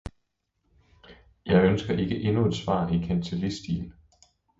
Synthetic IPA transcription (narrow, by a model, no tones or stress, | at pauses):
jɑ̈ɪønsɡ̥ɐʔe̝ɡ̥əʔe̝nue̝d̥sʋɑ̰̈ːikʰænt͡sʰelisd̥ḭːn